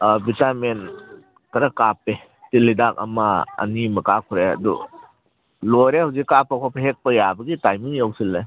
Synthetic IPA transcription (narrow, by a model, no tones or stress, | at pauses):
bitamen | kɐɾɐkape | tilːidak̚ɐ̰mɐɐ̰nimɐkakʰuɾeɐ̰dṵ | lojɾehawzikːapːɐkʰapʰɐɦek̚pɐjabɐɡitajmiŋjawsilːe